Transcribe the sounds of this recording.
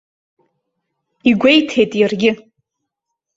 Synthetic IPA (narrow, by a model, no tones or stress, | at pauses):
iɡʷe̞jtʰe̞jtʼjarɡʲɪ